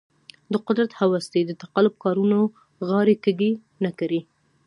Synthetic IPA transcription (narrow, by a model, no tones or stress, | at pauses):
d̪əqʊd̪ɾat̪hawast̪ed̪ət̪aqalʊb̚kɑɾuno | ɣɑɾekəɡi | nakaɾi